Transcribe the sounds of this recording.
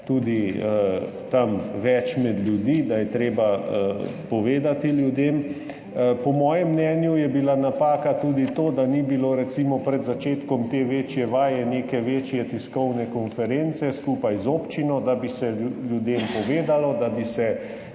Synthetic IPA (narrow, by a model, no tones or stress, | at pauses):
t̪uːd̪iə | t̪amʋɛt͡ʃmɛd̪lʲjud̪id̪ajɛt̪ɾeːbaəpɔʋeːd̪at̪iljud̪eːm | pɔmɔːjɛmːnɛːnjujɛbilanapaːkat̪uːd̪it̪oːd̪anibiloɾɛt̪simɔpɾɛd̪zat͡ʃeːt̪kɔmt̪eːʋeːt͡ʃjɛʋaːjɛnekɛʋeːt͡ʃjɛt̪iskɔwnɛkɔnfɛɾent̪sɛskuːpajzoːpt͡ʃinɔd̪abisɛljud̪eːmpɔʋeːd̪alɔd̪abisɛ